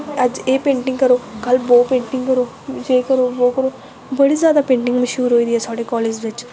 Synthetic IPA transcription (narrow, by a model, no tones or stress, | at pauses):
ɐd͡ʒeːpẽːɳʈɪ̃ŋɡkɐɾoːkɐlboːpẽːɳʈɪ̃ŋɡkɐɾoː | d͡ʒeːkɐɾoːboːkɐɾoː | bɐɽizjaːd̪aːpẽːɳʈɪ̃ŋɡmɐʃuːɾɦoːid̪iɛːsaːɽekɔːleːd͡ʒʋɪt͡ʃ